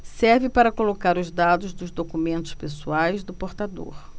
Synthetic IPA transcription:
sɛɾvɪpaɾɐkolokaɾʊzd̪ad̪ʊzd̪ʊzd̪okumẽnt̪ʊ̥spesuajzd̪ʊpoɾt̪ad̪o̰ɾ

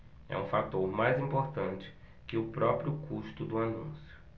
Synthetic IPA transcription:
ɛ̰ũfat̪oɾmajzĩpoɾt̪ɐ̃nt͡ʃɪ̥ | kɪʊpɾɔpɾjʊkuʃt̪ʊd̪ʊanṵ̃sjʊ̥

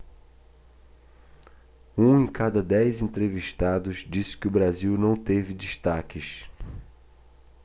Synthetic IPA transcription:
ũẽkad̪ɐd̪ɛjzẽnt̪ɾeviʃt̪ad̪ʊzd͡ʒisɪ̥kɪʊbɾaziwnɐ̃w̃t̪evɪd͡ʒiʃt̪akɪs

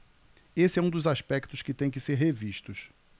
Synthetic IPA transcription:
esɪɛũd̪ʊzaʃpɛkt̪ʊʃkɪt̪ẽj̃kɪseɾɦeviʃt̪ʊʃ

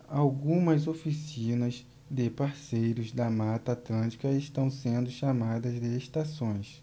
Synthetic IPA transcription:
awɡũmɐzofisĩnɐz | d̪ɪpaɾsejɾʊzd̪ɐmat̪ɐat̪lɐ̃nt͡ʃi̥kɐeʃt̪ɐ̃w̃sẽnd̪ʊʃamad̪ɐzd̪ɪeʃt̪asõj̃s

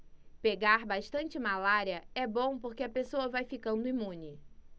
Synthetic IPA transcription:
peɡaɾbaʃt̪ɐ̃nt͡ʃɪmalaɾiɐɛbõw̃poɾkeɐpesoɐvajfikɐ̃nd̪ʊimũnɪ

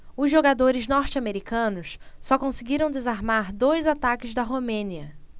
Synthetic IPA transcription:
ʊzʒoɡad̪oɾɪznɔɾt͡ʃɪameɾikɐ̃nʊssɔkõsɪɡiɾɐ̃w̃d̪ezaɾmaɾd̪ojzat̪akɪzd̪ɐɦomẽniɐ

